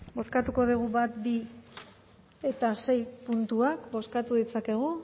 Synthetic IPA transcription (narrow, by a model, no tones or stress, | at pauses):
bo̞skat̪uko̞ðuɣuβat̪bi | e̞t̪ase̞jpunt̪uakbo̞skat̪uðit͡sake̞ɣ̞u